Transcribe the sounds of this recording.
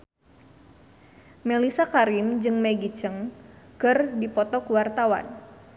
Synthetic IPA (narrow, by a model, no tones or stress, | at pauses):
mɛlisakaɾimd͡ʒɨŋmɛɡit͡ʃəŋkɨrdipɔt̪ɔkuwart̪awa̰n